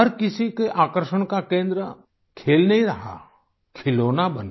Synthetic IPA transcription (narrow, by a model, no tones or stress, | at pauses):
əɾkɪsikeʔaːkəɾʃəɽ̃kakẽːnd̪ɾə | kʰeːlnɐɦĩɾɐɦa̰ | kʰɪloːnabɐn